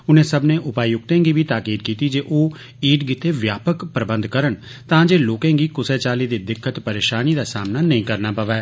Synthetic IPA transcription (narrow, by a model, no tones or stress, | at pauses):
ʊnẽːsəbnẽːʔʊpaːijʊk̚t̪ẽːɡiːʋiːt̪aːkiːd̪̚kiːt̪iːd͡ʒeːʔoː | iːʈɡit̪eːʋjaːpəkpɾəbə̃nd̪kəɾəɳ | t̪ãːd͡ʒeːloːkẽːɡiːkʊsɛːt͡ʃaːliːd̪eːd̪ɪkʰːət̪pəɾeːʃaːniːd̪aːsaːmnaːnəĩːkəɾnaːpəʋɛː